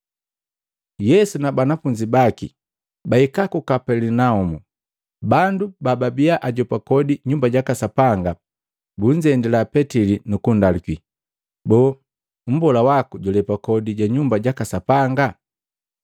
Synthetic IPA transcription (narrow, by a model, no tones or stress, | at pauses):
jɛsunabanafuɲd͡ʒibakḭ | baikakukapɛlinaumu | bandubababiaʔaɟɔpakɔdiɲumbaɟakasapaŋɡa | buɲd͡ʒɛndilapɛtilinukundaliki | bɔː | m̩bɔlawakuɟulɛpakɔdiɟaɲumbaɟakasapaŋɡa